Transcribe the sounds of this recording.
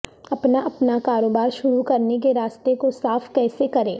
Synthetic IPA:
ɐpnaʔɐpnakaːɾoːbaːɾʃʊɾukɐɾnek̬eɾaːst̪ekosaːfkɛːsekɐɾẽː

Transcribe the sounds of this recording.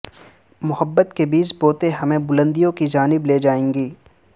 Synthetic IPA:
mʊhəbːət̪kebiːt͡ʃboːt̪eɦɐmẽbʊlə̃nd̪ijõkid͡ʒaːnɪbleːd͡ʒaːẽːŋɡiː

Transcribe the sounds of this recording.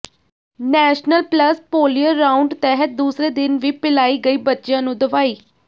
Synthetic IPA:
nɛːʃnəlpləspoːlijəɾːaːʊɳɖt̪ɛːɦət̪̚d̪uːsɾeːd̪ɪnʋiːpɪlaːiːɡəiːbətːʃjãːnũːd̪əʋaːiː

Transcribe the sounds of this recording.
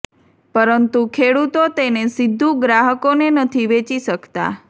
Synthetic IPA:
pəɾənt̪ukʰeɽut̪ot̪enesid̪ʱːũɡɾaɦəkonenət̪ʰiʋet͡ʃiʃəkt̪a̰

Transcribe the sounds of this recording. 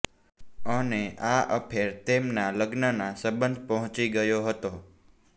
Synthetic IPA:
əneʔaʔəpʰeɾt̪emnaləɡnənasəbənd̪ʱpəɦɔ̃t͡ʃiɡəjoɦət̪o

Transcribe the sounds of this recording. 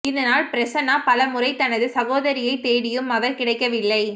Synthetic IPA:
ɪðɐnaːlpɪɾɐt͡ʃɐnaːpɐlɐmʊrɐɪt̪ɐnɐðɯsɐɣoːðɐɾɪjɐɪt̪ːeːɽɪjɯmːɐðɐɾkɪɽɐɪkːɐʋɪlːɐɪ

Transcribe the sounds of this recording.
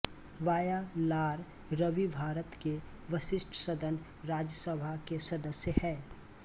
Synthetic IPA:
ʋaːjalaːɾ | ɾəʋibʱaːɾət̪ke | ʋəʃɪʃʈʰsəd̪ʱən | ɾaːd͡ʒəsəbʱakesɐd̪əsjəhɛː

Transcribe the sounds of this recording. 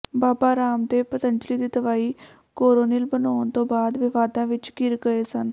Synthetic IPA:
baːbaːɾaːmd̪eːpət̪ənd͡ʒliːd̪iːt̪əʋaːiː | koːɾoːnɪːlbənaːnt̪õːbaːd̪ʋɪʋaːd̪ãːʋɪt͡ʃɡɪɾɡəeːsən

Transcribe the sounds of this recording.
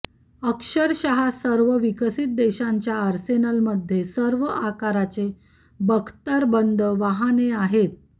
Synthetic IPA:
əkʂəɾɕaɦasəɾʋəʋikəsit̪̚d̪eɕaɲt͡ɕjaːɾsenəlməd̪ʱjesəɾʋəakaɾat͡se | bəɡʰt̪əɾbənd̪ʱəʋaɦaneaɦet̪̚

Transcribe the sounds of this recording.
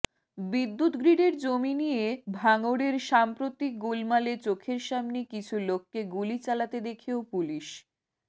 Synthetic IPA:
bid̪ːut̪ɡɾiɖeɾd͡ʑominijebʱaŋoɽeɾʃampɾot̪ik̚ɡulmalet͡ɕokʰeɾʃamnekit͡ɕʰulokːeɡulit͡ɕalat̪ed̪ekʰiopuliʃ

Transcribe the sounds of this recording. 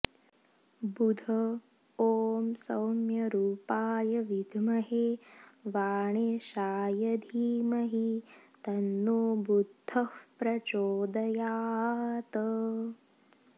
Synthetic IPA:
bud̪ʱɐ | oːmsɐwmjɐɾuːpaːjɐʋid̪ʱmɐɦeːʋaːɳ̃eːʃaːjɐd̪ʱiːmɐɦit̪ɐnːoːbud̪ʱːɐhpɾɐt͡ʃoːd̪ɐjaːt̪ə

